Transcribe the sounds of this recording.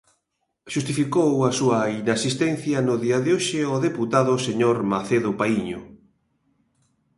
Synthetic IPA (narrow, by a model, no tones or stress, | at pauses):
ʃust̪ifikowɐsuɐinasist̪ɛn̟θjɐnʊðiɐðɪoʃɪoðeput̪aðʊseɲoɾmaθeðʊpaiɲʊ̰